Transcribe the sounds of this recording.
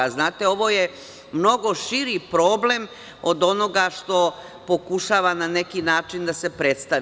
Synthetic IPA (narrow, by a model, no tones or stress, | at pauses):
aznaːt̪e̞o̞ʋo̞ːje | mno̞ɡo̞ʃiɾipɾo̞ːble̞m | o̞d̪o̞no̞ɡaʃt̪o̞ | po̞kuʃaːʋananekinaːt͡ʃind̪asepɾet̪st̪a